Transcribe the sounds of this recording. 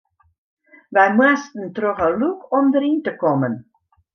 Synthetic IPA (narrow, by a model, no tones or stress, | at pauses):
ʋɛjmwastən̩troxəlukʰɔmdəɾintəkɔmən